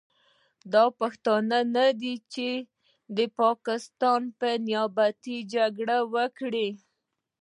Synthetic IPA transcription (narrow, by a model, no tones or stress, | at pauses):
d̪ɑpaxt̪ɑnanad̪it͡ʃe | d̪əpɑkɪst̪ɑnpənjabat̪id͡ʒaɡɽawəkɽi